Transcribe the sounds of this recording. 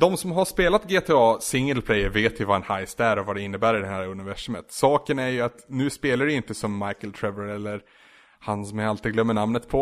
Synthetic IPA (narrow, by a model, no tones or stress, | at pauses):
d̪ɔmsɔmɦaʂpeːlat̪ɡeːt̪ʰeːɑːsɪŋːəlpʰlɛjəɾveːt̪ʰjɵvaɛnhajst̪æɾɔvad̪ɛɪnːəbæːɾɪd̪ɛhæːɾɵnɪvæʂɵmət̪sɑːkənæɾjɵat̪nʉ̟ːspeːlaɖɵɪnt̪əsɔmːajkəlt̪ʰɾɛvəɾɛlːəɾ | hansɔmɛalt̪ɪɡlœmːəɳamnət̪pʰɔ